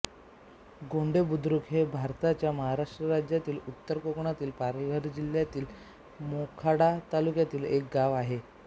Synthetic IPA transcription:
ɡoɳɖebud̪ɾukɦebʱaɾt̪at͡ɕjaməɦaɾaʂʈɾəɾad͡ʑjat̪iːlut̪ːəɾkokɳat̪iːlpaɾʋəɾd͡ʑiljat̪iːl | mokʰaɽat̪alukjat̪iːlek̚ɡaʋaɦe

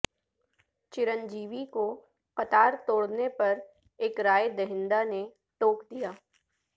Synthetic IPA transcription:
t͡ʃɪɾə̃nd͡ʒiːʋiko | qɐt̪aːɾt̪oːɽnepɐɾ | eːkɾaːjd̪ɐɦɪ̃nd̪ane | ʈoːkd̪ijaː

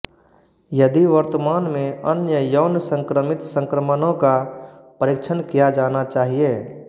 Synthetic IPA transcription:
jəd̪iʋəɾt̪əmaːnmẽənjəjəːnsə̃ŋkɾəmɪt̪sə̃ŋkɾəmənõkapəɾɪkt͡ʃʰənkijad͡ʒaːnat͡ʃaːɦieː

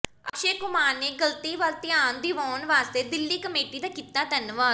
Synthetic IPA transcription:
əkʃeːkʊmaːneːɡəlt̪iːʋalt̪ɪjaːnd̪iːʋɔːnʋaːst̪eːd̪ɪlːiːkəmeːʈiːd̪aːkiːt̪ːaːt̪ənʋaː

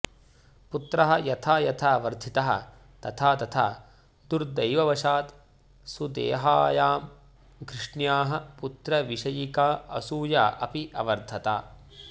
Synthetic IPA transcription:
put̪ɾɐɦɐ̆jɐt̪ʰaːjɐt̪ʰaːʋɐɾd̪ʱit̪ɐɦɐ̰̆ | t̪ɐt̪ʰaːt̪ɐt̪ʰa̰ː | d̪uɾd̪ɐjʋɐʋɐʃaːt̪ | sud̪ḛːɦaːjaːm | kɾɪʂɳjaːɦɐ̆put̪ɾɐʋiʂɐjikaːɐ̰suːjaːʔɐ̰piʔɐʋɐɾd̪ʱɐt̪a̰ː

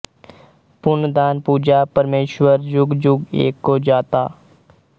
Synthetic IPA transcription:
pʊnd̪aːnpuːd͡ʒapəɾmeːʃwəɾd͡ʒʊɡd͡ʒʊɡḛːkːod͡ʒaːt̪aː

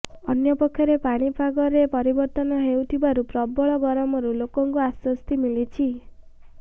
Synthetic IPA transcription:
ɔnjɔpɔkʰjɔɾepaɽ̃ipʰaɡɔɾepɔɾibɔɾt̪ɔnɔɦeut̪ʰibaɾupɾɔbɔɭɔɡɔɾɔmɔɾulokɔŋkuaswɔst̪imilit͡ʃʰi

